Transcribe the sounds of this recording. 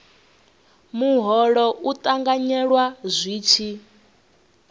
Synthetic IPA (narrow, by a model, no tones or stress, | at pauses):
muɦɔɺɔʔut̪ʼaŋɡaɲɛɺwazʷiːt͡ʃʰi